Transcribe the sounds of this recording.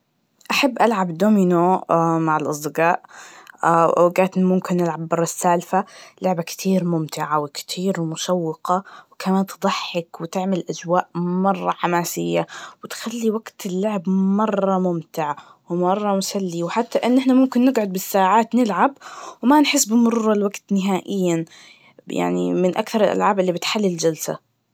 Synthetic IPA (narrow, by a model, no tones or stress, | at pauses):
ʔaħabːʔalʕabd̪ominomaʕɪlʔɑsˤd̪ɪɡaːʔ | ɡaːt̪nmʊmkɪnːɪlʕabːɑrˤːɑsaːlfalʊʕbakt̪ʰiːɾmʊmt̪ɪʕawɪkt̪ʰiːɾmʊʃawːɪqɑwkamaːnt̪ɨd̪ˤɑħːɪkwɪt̪ɪʕmɪlʔazwaːʔmɑrˤːɑħamaːsɪjːawɪt̪xalːiwaɡt̪ʰɪlːʊʕbmɑrˤːɑmʊmt̪ɪʕ | wɪmɑrˤːɑmʊsalːiwħat̪ːaʔɪnːʔɪħnamʊmkɪnːɪɡʕʊd̪̚bɪsːaːʕaːt̪nɪlʕabwmanħɪsːbɪmʊɾuːɾˤɑlwaɡt̪nɪɦaːʔɪjːa | ja̰ʕnḭmɪnʔakθɑɾˤɪlʔa̰lʕaːbʔɪlːibɪt̪ħalːild͡ʒalsa̰